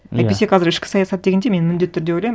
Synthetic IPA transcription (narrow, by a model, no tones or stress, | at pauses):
æ̰jt̪peeqʰɑzɪɾɪʃkʲɪ̥sɑjɑsɑt̪d̪e̞ɡʲend̪eme̞nɪmɪnd̪et̪ːʏɾd̪eojlɑjm